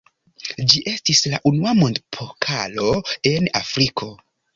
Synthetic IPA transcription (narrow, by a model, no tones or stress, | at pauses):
d͡ʒiʔe̞stislaʔunuamo̞ndpʰokʰa̰lo̞e̞nafɾikʰo̞